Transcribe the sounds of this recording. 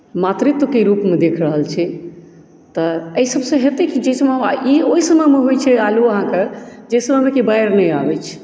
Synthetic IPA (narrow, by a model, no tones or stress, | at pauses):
mat̪ɾit̪okeɾupmed̪ekʰɾəɦəlt͡ʃʰi | t̪ɔəisəbsə̃ɦet̪ekid͡ʒeisəmeaioisəməjmeɦojt͡ʃʰɛaluəɦãked͡ʒejsəməmekibajɾnɛjabɛt͡ʃʰ